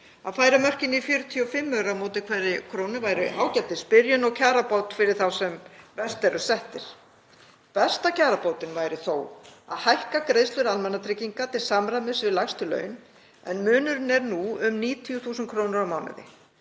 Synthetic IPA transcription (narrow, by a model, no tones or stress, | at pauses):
aðfaːjɾamœr̥cɪnifjʏːɾʏt̪ʰiɔfɪmːœɾamoːt̪ɪkʰvɛɾɪkʰɾownɪvaːjɾɪʔaːwcɛt̪ɪspɪɾjʏnɔwcʰaːɾapowt̪fɪɾɪɾ̥θawsɛmvɛst̪ɛɾʏsɛht̪ɪɾ̥ | pɛst̪acʰaːɾapowt̪ɪnvajɾɪθoːwa̰ðhajhkakɾejðst̪lʏɾalmɛnːat̪ʰɾɪciŋkat̪ʰɪlsamɾamɪsvɪðlajst̪ʏlœ̰ːɥn | ɛ̰nmʏːnʏɾʏnɛɾnuʏmniːt̪ʰijuθuːsʏnt̪kʰɾoːwnʏɾawmaːwnɪ̰ðɪ̰